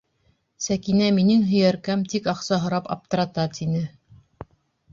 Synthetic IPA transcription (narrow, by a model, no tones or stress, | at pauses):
sækinæminɘŋɦɵ̆jæɾkæmt̪ikɑqsɑɦŏɾɑpɑ̰p̚t̪ɤ̆ɾɑt̪ɑt̪inɘ